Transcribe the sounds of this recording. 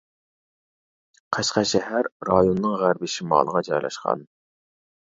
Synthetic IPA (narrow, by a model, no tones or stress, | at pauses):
qʰɑʃqɑʃɛɦæɾːɑjonːɨŋʁæɾbɪʃimɑ̰ːlˠəʁɑd͡ʒɑjlˠɑ̰ʃqɑ̰n